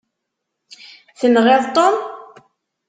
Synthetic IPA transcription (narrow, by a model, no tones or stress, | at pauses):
θənʁeðˤt̪ˤːom